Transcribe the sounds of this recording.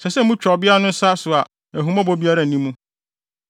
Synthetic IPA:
sɛ˨sɛ˦mũ˦t͡ɕᶣɔ˨bɪ˦a˦nʊ̃˦n̩˦sa˦sʊ˨a˨ | æ˨ɦũ˨mã˦bɔ˦bi˦a˦ɾa˦˨nĩ˦mũ˦

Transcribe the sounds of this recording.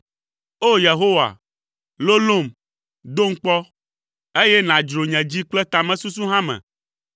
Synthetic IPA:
o˦je˨ɦo˦wa̰˨ | lo˦lo˦˨m | d̪o˦ŋ̩˦k͡pɔ˦ | e˦jɛ˦nã˨d͡ʒɾo˨ɲɛ̃˨d͡ʑi˦k͡plɛ˦t̪a˨mɛ̃˨su˦s̬u˦ɦã˦mɛ̰̃˨

